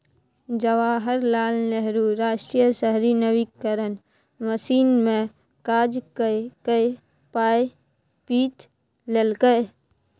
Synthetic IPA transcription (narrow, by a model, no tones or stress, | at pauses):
d͡ʒəʋaːɦəɾlaːlneɦɾuɾaːʃʈɾijəsəɦɾinəʋikːəɾən | məsiːnmẽ | kaːd͡ʒkəkəj | paːe | piːt̪ | lelkəj